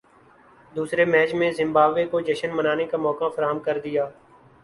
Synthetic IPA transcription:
d̪uːsɾeːmɛːt͡ʃmẽzɪ̃mbaːbʋeːkoːd͡ʒəʃənmənaːnekaːmɔːkaːfʰəɾaːɦəmkəɾd̪ɪjaː

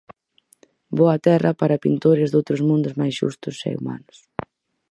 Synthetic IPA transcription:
boɐt̪ɛrɐpaɾɐpint̪oɾɪzðowt̪ɾʊzmũnd̪ʊzmajsʃṵst̪ʊsɛ̰ṵma̰nʊs

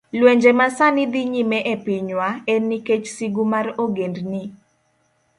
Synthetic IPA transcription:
lweɲd͡ʒemasanɪd̪iɲimɛʔepiɲwaɛniket͡ʃsiɡumaroɡendni

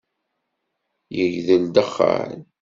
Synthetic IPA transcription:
jəʝðəld̪əχːa̰n

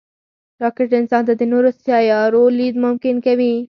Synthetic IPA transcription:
ɾɑkɪɾʈɪnsɑnt̪ad̪ɪnoɾʊsjɑjɑɾolid̪mʊmkɪnkawi

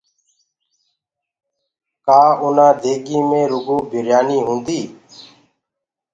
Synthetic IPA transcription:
kaːʊnãːd̪ʱeːɡiːmẽːɾʊɡoːbʱɪɾjaːniːɦʊ̃ːnd̪iː

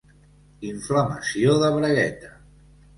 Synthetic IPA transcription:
iɱfləməsioðəβɾəɣɛt̪ə̥

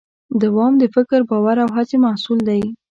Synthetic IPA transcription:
d̪awɑmd̪əfɪkɾbɑwaɾawɦat͡semahsuld̪aj

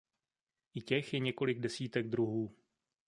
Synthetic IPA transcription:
ʔɪcɛxjɛɲɛko̞lɪɡ̚dɛsiːt̪ɛɡ̚d̪ɾuɦuː

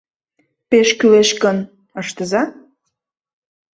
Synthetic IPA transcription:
peʃkyleʃkən | əʃt̪əzɑ

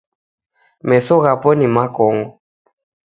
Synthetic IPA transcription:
mɛsɔɣapɔnimakɔŋɡɔ

